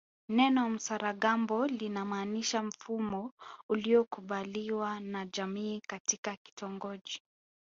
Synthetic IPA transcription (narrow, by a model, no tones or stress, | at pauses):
nɛnɔm̩saɾaɠambɔlinamaːniʃam̩fumɔuliɔkuɓaliwanaʄamiːkatikaki̥tɔŋɡɔʄi